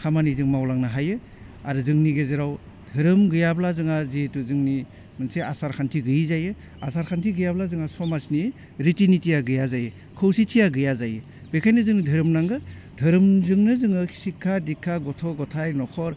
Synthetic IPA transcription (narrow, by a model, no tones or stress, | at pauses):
kʰamanizɯŋmawlaŋnaɦajɯ | aɾɯzɯŋniɡezeɾaw | dʱɯɾɯmɡɯjablazɯŋazituzɯŋni | mɯnseasaɾkʰantʰiɡɯjizajɯ | a̰saɾkʰantʰiɡɯjablazɯŋasɔmasni | ɾitinitʰijaɡɯjazajɯ | kʰɯwsitʰijaɡɯjazajɯ | b̥ekʰajnɯzɯŋdʱɯɾɯmnaŋɡɯ | dʱɯɾɯmzɯŋnɯzɯŋɯkʰi̥sikʰːadikʰːaɡɔtʰɔɡɔtʰajnɔkʰɔɾ